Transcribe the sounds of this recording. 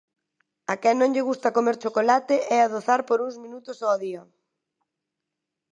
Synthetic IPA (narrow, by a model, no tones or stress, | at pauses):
akɛnːõŋʎɪɣust̪ɐkomeɾt͡ʃokolat̪ɪʔɛaðoθaɾpoɾuŋzmĩnut̪ʊsɔːðiɐ